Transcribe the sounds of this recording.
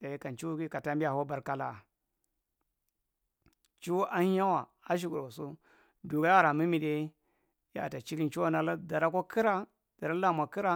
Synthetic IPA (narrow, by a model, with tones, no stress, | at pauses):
a˨˦ka˨nt͡ʃi˦ki˦ka˨ta˦mbi˦a˨ho˦ba˨ɾka˦la̰˦˨ | t͡ʃu˦ʔa˦ha˦wa˨ | a˦ʃ̬i˨ɡu˨ɾo˨so˦ | du˨ɡa˨˦ja˦˨ɾa˨mi˦mi˨de˦ | ja̰˨ta˨t͡ʃi˦ɾi˦nt͡ʃi˦a˦na˦la˦da˨ɾa˦ko˦kʰi˦ɾa˦ | d̥a˨ɾa˦la˦˨m˨a˨ki˦ɾa˦